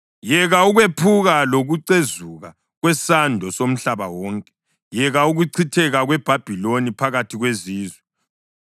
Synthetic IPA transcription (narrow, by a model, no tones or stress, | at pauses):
jɛɣauɣwepʰuɣaloɣuǀezuɣa | ɣwɛsandʱɔsom̩ɬaβawɔːŋkʼɛ̥ | jɛɣauɣuǀʰitʰɛɣaɣwɛb̥ʱab̥ʱilonipʰaɣatʰiɣweziːzwɛ